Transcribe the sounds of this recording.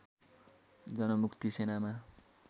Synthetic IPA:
d͡zʌnʌmukt̪isenama

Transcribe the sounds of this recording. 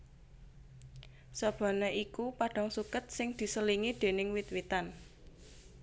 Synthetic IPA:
sɔb̥a̤naʔikupaɖ̥a̤ŋsukət̪̚sɪŋd̪̥i̤səliŋid̪̥e̤nɪŋwit̪wit̪an

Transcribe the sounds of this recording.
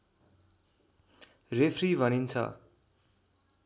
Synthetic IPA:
repʰribʱʌnint͡sʰʌ̰

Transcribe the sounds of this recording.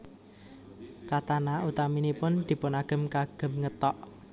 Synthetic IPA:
kat̪anaut̪aminipʊnd̪̥i̤pʊnaɡ̥ə̤mkaɡ̥ə̤mŋət̪ɔʔ

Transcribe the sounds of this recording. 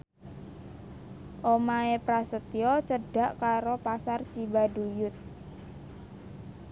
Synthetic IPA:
ʔomaepɾasət̪iɔt͡ʃəɖ̥a̤ʔkaɾopasart͡ʃibaɖujʊt̪̚

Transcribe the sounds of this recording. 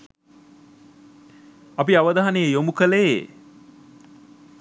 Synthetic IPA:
apiaʋəd̪aɦanejəjomukəle

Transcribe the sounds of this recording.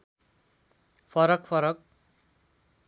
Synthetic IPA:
pʰʌɾʌkpʰʌɾʌk̚

